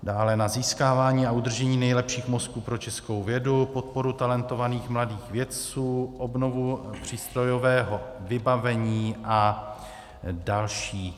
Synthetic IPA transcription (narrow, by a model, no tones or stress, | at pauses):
daːlɛnaziːskaːvaːɲiːaʔud̪r̩ʒɛɲiːnɛjlɛpʃiːxmo̞skuːpɾo̞t͡ʃɛsko̞wvjɛdupo̞t̪̚po̞ɾut̪alɛnt̪o̞vaniːxmladiːxvjɛt̪t͡suːʔo̞bno̞vupr̝̥iːst̪ɾo̞jovɛːɦo̞vɪbavɛɲiːʔa | dalʃiː